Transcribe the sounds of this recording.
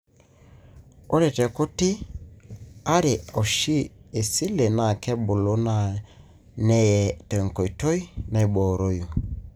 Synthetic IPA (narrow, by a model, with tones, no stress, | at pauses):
o˦ɾe˨tɛ˨ku˦tɪ˦ | a˦ɾe˨ɔ˨ʃi˦e˨si˦le˨na˨kɛ˦bʊ˨lo˦na˨ | nɛ˦jɛ˨tɛ˨ŋko˨i˨to˦i˦na˨i˨bo˨ɾo˦ju˨